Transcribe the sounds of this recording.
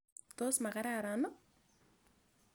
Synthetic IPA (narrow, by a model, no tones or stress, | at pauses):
t̪osmakaɾaɾanʊ